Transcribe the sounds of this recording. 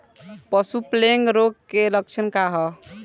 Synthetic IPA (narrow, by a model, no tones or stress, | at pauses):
pəsupleŋɡɾoɡ̚kelək̚t͡ʃʰənkaɦɔ